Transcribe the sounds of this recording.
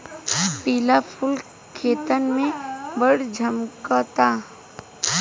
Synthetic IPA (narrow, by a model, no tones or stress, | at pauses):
piːlapʰʊl | kʰeːt̪ənmẽbəɽd͡ʒʱɐmkat̪aː